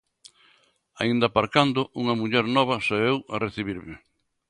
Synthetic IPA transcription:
a̰ind̪ɐpaɾkand̪ʊʔuŋɐmuʎɛɾnɔβɐsaewa̰reθiβiɾmɪ

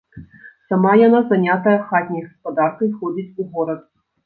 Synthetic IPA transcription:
samajanazanʲat̪ɐjɐxat̪ʲnʲɐjɣɐspɐd̪arkɨxɔd͡zʲit͡sʲuɣɔɾɐt̪̚

